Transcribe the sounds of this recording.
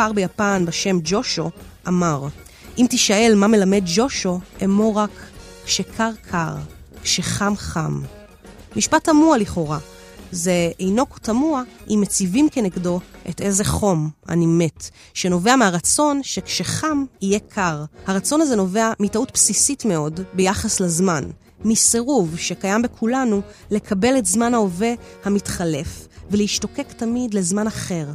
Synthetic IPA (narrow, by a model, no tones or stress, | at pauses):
aʁbejapanbeʃe̞md͡ʒo̞ʃoʔamaʁ | imtiʃae̞lmame̞lame̞dd͡ʒo̞ʃoemoʁakː | ʃekʰaʁkʰaʁkʃeχamχa̰m | miʃpatamualiχo̞ʁa | ze̞ejno̞ko̥tamuaʔimet͡sivimkeneɡdo̞ʔete̞ze̞χo̞ma̰nime̞t | ʃe̞no̞veameaʁat͡so̞nʃekʃeχamije̞kʰaʁhaʁat͡so̞naze̞no̞ve̞amitautpsisitme̞o̞dbejaχaslazman | miseʁuvʃekajambe̞kʰulanu | le̞kʰabeletzmanhao̞ve̞hamitχale̞fvelehiʃto̞ke̞ktamidle̞zmanaχe̞ʁ